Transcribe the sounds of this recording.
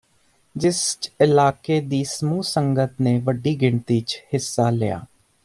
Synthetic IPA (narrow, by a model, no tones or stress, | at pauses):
d͡ʒɪst͡ʃɪlaːkeːd̪iːsəmuːsəŋɡət̪neːʋəɖiːɡɪɳt̪iːt͡ʃhɪsːaːlɪja̰ː